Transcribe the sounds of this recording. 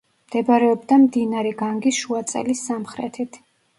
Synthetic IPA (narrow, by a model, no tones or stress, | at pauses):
md̪̥ɛbaɾɛɔbd̪amd̪inaɾɛɡaŋɡisʃuat̪sʼɛ̰lisːamχɾɛ̰t̪ʰit̪ʰ